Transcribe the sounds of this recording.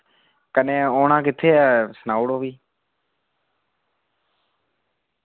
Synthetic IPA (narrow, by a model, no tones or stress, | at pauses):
kənẽːoːnãːkɪt̪ʰːeːɛːsənaːʊɽoːʋiː